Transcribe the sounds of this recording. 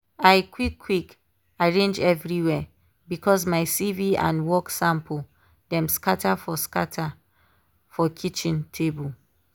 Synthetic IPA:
aɪkwikʰːwik | aɹẽnd͡ʒɛvɹiwɛ | bikɔs̬maɪsiviã̰nwɔksãmpʰl̩ | dɛ̃mskatʰafɔskatʰa | fɔkʰit͡ʃĩntʰebul

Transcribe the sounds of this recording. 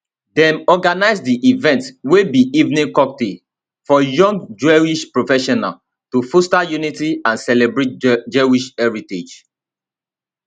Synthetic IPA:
dɛ̃mɔɡanaɪsdiʔivɛ̃ntwebiʔivnĩŋkɔk̚de | fɔjɔ̃ŋɡd͡ʒwɛwiʃpɹofɛʃɔna̰l | tufostajunitiãnsɛlebɹet̚d͡ʒewiʃɛɹited͡ʒ

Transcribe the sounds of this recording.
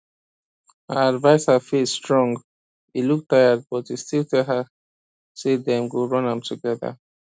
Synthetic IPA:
hə̰advaɪsəfistɹɔ̃ŋɡ | iluk̚tʰaɪəd̚bɔtistilˠtʰɛlɦə | sedɛ̃mɡoɹʌ̃nãmtʰuɡɛðə̰

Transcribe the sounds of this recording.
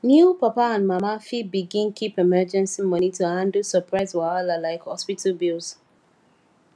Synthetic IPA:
njupapaãnmamafibiɡĩnkipemɛd͡ʒɛ̃nsimɔnituãndusəpɹaɪzwaalalaɪkhɔspitʰalbilz

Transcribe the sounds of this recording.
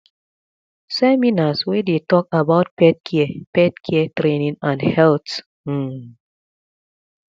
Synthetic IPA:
sɛminaswedetɔk̚abaʊt̚pɛd̚kʰɛpɛd̚kʰɛɛtɾenĩŋãnhɛlt̩

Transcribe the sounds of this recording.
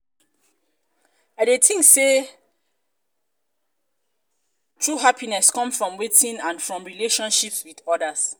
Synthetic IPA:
adetʰĩŋkse | tʰɹuɦapʰinɛskɔ̃mfɹɔ̃mwetʰĩnãnfɹɔ̃mɹileʃɔ̃nʃipswidɔdas

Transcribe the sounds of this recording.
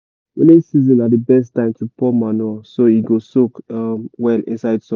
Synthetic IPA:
wɛ̰nesizɔ̃nadəbɛstãɪ̃mtʰupɔmanɔsoiɡosokamwɛlḭ̃nsaɪdsɔ̃

